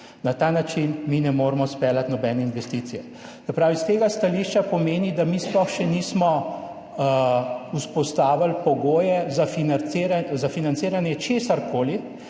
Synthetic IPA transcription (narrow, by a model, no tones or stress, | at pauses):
nat̪aːnat͡ʃinminɛmoːɾmɔspɛːlat̪nɔbɛːnɛinʋɛst̪it̪sijɛ | sɛpɾaːʋist̪eːɡast̪aliʃt͡ʃapɔmeːnid̪amiːsplɔxʃɛniːsmɔ | uspɔst̪aːʋalpɔɡoːjɛzafinaɾazafinant̪seːɾanjɛt͡ʃeːsaɾkoːli